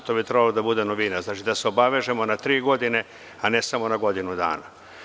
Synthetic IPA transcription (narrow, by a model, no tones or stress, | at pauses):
t̪obit̪ɾebalod̪abud̪enoʋinaɾznaːt͡ʃid̪aseo̞baʋe̞ʒe̞mo̞nat̪ɾiːɡo̞d̪ine̞ | anesamo̞naɡo̞d̪inud̪a̰ːna